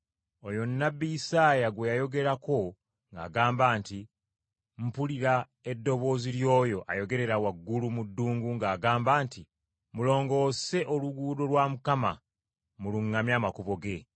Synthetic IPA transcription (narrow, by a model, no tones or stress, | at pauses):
ojo̞nːabːijisaːjaɡwe̞jajo̞ɡe̞ɾako̞ | ŋɡa̰ːɡaːmbaːnti | m̩puliɾa | e̞dːo̞βo̞ːziljo̞ːjo̞ʔa̰jo̞ɡe̞ɾe̞ɾawaɡːulumudːuːŋɡuŋɡaːɡaːmbaːnti | mulo̞ːŋɡo̞ːse̞ʔoluɡuːdo̞lwaːmukama̰ | muluŋːamjaːmakuβo̞ɡe̞